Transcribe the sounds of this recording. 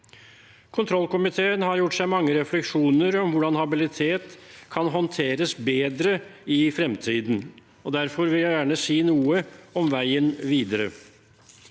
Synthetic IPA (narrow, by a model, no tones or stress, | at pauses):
kʰʊnt̪ʰɾɔlːkʊmɪt̪ʰeːənhɑɾjʊʈːʂæɪmɑŋːəɾɛflɛkʂuːnəɾɔmʋʊɖɑnhɑbɪlɪt̪ʰeːt̪kʰɑnɦɔnt̪ʰeːɾəsbeːd̪ɾəɪfɾɛmt̪ʰiːd̪n̩ | ɔd̪æɾfɔɾʋɪljæɪjæːɳəsiːnuːəɔmʋæɪənʋiːd̪əɾə̰